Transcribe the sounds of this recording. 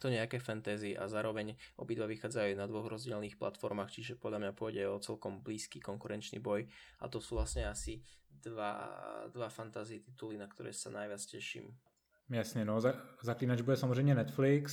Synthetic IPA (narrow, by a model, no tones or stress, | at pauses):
ut̪uɲɛakɛːfɛnt̪ɛːziʔa̰zaːɾɔʋɛɲʔɔbid̪ʋaʋixaːd͡zajuːnad̪ʋɔɣɾɔzɟɪɛlniːxpla̰t̪fɔɾmaːxt͡ʃiʒɛpɔd̪ʎamɲapʊɔjɟɛɔt͡sɛlkɔmbliːskiːkɔŋkuɾɛnt͡ʃnḭbɔja̰t̪ɔsuːʋlasɲɛasid̪ʋa̰d̪ʋafant̪aziɛt̪it̪ulinakt̪ɔɾɛ̰ːsa̰najʋɪat͡scɛʃḭːm | jasɲɛnɔazakliːnad͡ʒbudɛsamɔzɾɛjmɲɛnɛt̪fliks